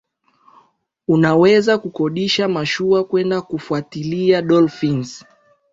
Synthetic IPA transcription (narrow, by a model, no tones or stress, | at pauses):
unawɛzakukɔɗiʃamaʃuakwɛndakufuatiliaɗɔlfins